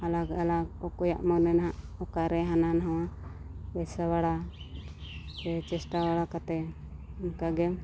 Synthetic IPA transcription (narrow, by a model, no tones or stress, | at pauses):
alaɡalaɡɔkɔja̰ʔmaɡnɛnɦaʔɔkaɾɛɦananɦawa | bɛsawaɽa | ɛt͡ʃɛsʈawaɽakat̪ɛ | ɔnkaɡɛm